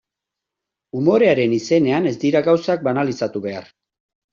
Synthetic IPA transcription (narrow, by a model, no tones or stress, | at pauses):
umo̞ɾe̞aɾe̞nise̞ne̞ane̞zd̪iɾaɣawsak̚banalisat̪uβe̞a̰ɾ